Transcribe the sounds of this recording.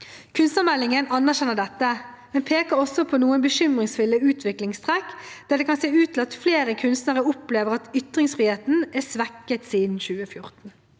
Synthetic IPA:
kʰʉnst̪əmɛlːɪŋənɑnæʁɕɛnəɖ̪ɛt̪ːə | mɛnpʰeːkəɾɔsːɔpʰɔnuːənbəʃʏmʁɪŋsfʏlːəʉːt̪ʰʋɪklɪŋst̪ʰʁɛkːd̪̥æd̪ɛkʰɑnseːʉːt̪ʰɪlɑt̪fleːɾəkʰʉnst̪nəʁəʊpleːʋəʁɑt̪ʏt̪ʁɪŋsfʁiːheːt̪n̩æsʋɛkːət̪siːd̪n̩ɕʉːəfjʊʁt̪n̩

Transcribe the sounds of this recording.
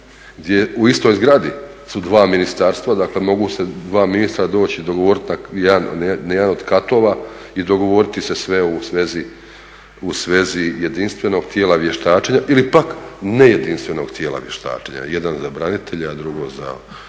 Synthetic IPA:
ɡd̪ʲje̞uist̪o̞jzɡɾad̪i | sud̪ʋaːminist̪aɾst̪ʋad̪aːkle̞mo̞ɡuse̞d̪ʋaːminist̪ɾad̪o̞ːt͡ɕid̪o̞ɡoʋoɾit̪najed̪annjed̪ano̞d̪kat̪o̞ːʋa | id̪o̞ɡo̞ʋo̞ɾit̪ise̞sʋe̞usʋe̞zi | usʋe̞zije̞d̪inst̪ʋe̞no̞ɡt̪jeːlaʋje̞ʃt̪aːt͡ʃeɲaʔilipakneje̞d̪inst̪ʋe̞no̞̰ɡ̥t̪ʰjeːlˠa̰ʋje̞ʃt̪a̰ːt͡ʃeɲa̰jed̪anzabɾanit̪eʎead̪ɾuɡo̞̰za̰

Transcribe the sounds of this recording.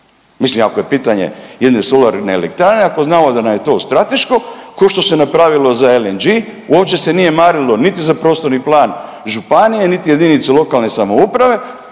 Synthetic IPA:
mislimako̞je̞piːt̪aɲe̞̰je̞d̪nesolaɾnelḛk̚t̪ɾaneako̞znaːmod̪anamje̞t̪o̞ːst̪ɾat̪e̞ʃko̞ko̞ʃt̪o̞se̞napɾaːʋilo̞zaelend͡ʒiṵopt͡ʃe̞se̞nije̞maːɾilo̞nit̪izapɾo̞ːst̪o̞ɾniplˠaːn | ʒupanije̞nit̪ije̞d̪init̪selo̞kalˠne̞samo̞upɾaʋe̞

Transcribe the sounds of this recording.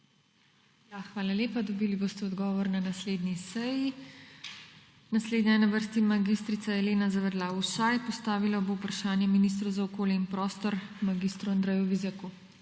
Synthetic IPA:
jaxʋaːlaljeːpad̪ɔbiːlibost̪ɛɔd̪ɡɔːʋɔɾnanasleːd̪nisɛji | nasleːd̪ɲɛnaʋəɾst̪imaɡist̪ɾit̪sajɛleːnazaʋɛɾlausajpɔst̪aːʋilaboupɾaʃaːnjɛminis̬t̪ɾɐwzaɔkoːljɛinpɾɔːst̪ɔɾmaɡist̪ɾuand̪ɾɛjuʋizɛku

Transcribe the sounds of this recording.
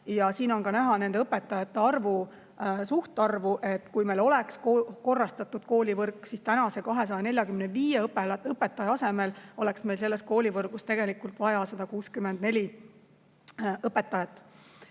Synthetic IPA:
jɑsiːno̞nkɑnæɦɑne̞nd̪eɤpːe̞t̪ːˑɑjɑt̪ːe̞ɑrvu | suht̪ɑrvuʔe̞t̪ːˑkujme̞jlo̞le̞kskoko̞rːɑst̪ɑt̪ːˑud̪̥ko̞ːlʲivɤrkːˑsist̪ænɑse̞kɑɦe̞s̬ɑjɑne̞lʲjɑkymneviːjeɤpːeɤpːˑet̪ːˑɑjɑɑse̞me̞lo̞le̞ksme̞jlse̞lːe̞st̪̚ko̞ːlʲivɤrɡ̥ust̪e̞ɡ̥e̞likːˑult̪ˑvɑjɑsɑd̪̥ɑkuːskymend̪̚ne̞lʲi | ɤpːe̞t̪ːˑɑjɑt̪ːˑ

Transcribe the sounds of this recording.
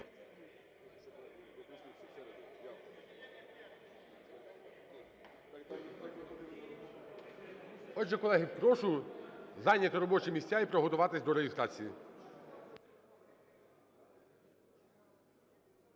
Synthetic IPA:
ɔdʒɛkɔlˠɛɦɪkɾɔʃʊjzɑnʲːɐt̪ɪɾɔbɔt͡ʃɪmʲisʲtʲːaipɾɔɦɔt̪ʊʋɑt̪ɪsʲd̪ɔɾeɦʲɪst̪ɾɑt͡sʲiji

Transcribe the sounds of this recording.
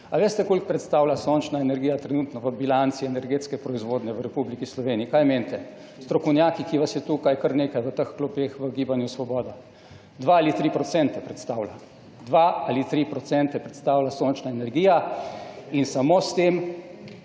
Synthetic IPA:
aʋeːst̪ɛkoːlik̚pɾɛt̪st̪aːwlasont͡ʃnaɛnɛɾɡijat̪ɾɛnuːt̪nɔʋəbilant̪siɛnɛɾɡeːt̪skɛpɾɔizʋoːd̪nɛʋəɾɛpublikislɔʋeːniːkajment̪ɛ | st̪ɾɔkɔwnʲjaːkikiʋasjɛt̪uːkajkəɾneːkajʋət̪əxklɔbexʋəɡiːbanjusʋɔbɔːd̪a | d̪ʋaalit̪ɾiːpɾɔsɛnt̪ɛpɾɛt̪st̪aːwla | d̪ʋaalit̪ɾipɾɔt̪sɛnt̪ɛpɾɛt̪st̪aːwlasont͡ʃnaɛnɛɾɡiːja | insamoːst̪em

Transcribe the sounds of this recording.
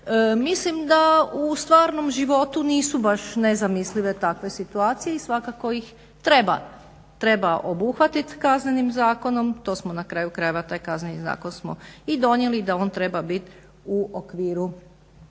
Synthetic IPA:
əmislimd̪aust̪ʋaːɾno̞mʒiʋo̞t̪uniːsubaʃnezamisliʋe̞t̪akʋe̞sit̪uaːt̪sije̞isʋakako̞jix | t̪ɾe̞ba̰ | t̪ɾe̞baʔobuxʋat̪it̪kaznenimzaːko̞no̞mt̪o̞ːsmonakɾaːjukɾajeʋat̪aːjkaznʲeniza̰ːko̞nsmo̰id̪o̞njelid̪ao̞ːnt̪ɾe̞babit̪ | uokʋiːɾu

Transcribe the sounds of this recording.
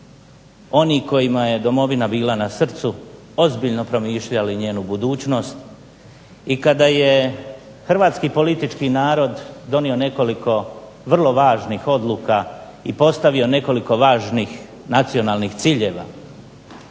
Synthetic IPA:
o̞niko̞jimaje̞d̪o̞mo̞ʋinabiːlanasr̩t̪su | o̞zbiʎno̞pɾo̞miːʃʎaliɲe̞ːnubud̪uːt͡ɕno̞st̪ | ikad̪aje̞ | xr̩ʋaːt̪skipo̞lit̪it͡ʃkinaːɾo̞d̪d̪o̞nio̞ne̞ko̞liko̞ | ʋr̩lˠo̞ʋaːʒnixo̞d̪lˠuːka | ipo̞st̪aʋio̞ne̞ko̞liko̞ʋaːʒniːx | nat̪sio̞naːlˠnixt̪siːʎe̞ːʋa̰

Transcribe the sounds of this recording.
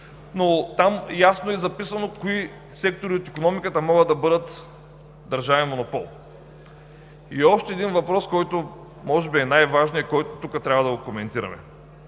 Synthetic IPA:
not̪amjasnoɛzɐpisɐnokoi | sɛk̚t̪oɾiot̪ikonɔmikət̪əmɔɡəd̪ɐbɤd̪ət̪ | d̪ɐɾʒavɛnmonopɔ̰lˠ | iɔʃt̪ɛɛd̪invɐpɾɔskɔjt̪o | mɔʒɛbiɛnajvaʒnijəkɔjt̪ot̪ukət̪ɾʲabvɐd̪ɐɡokomɛnt̪iɾɐ̰mɛ̰

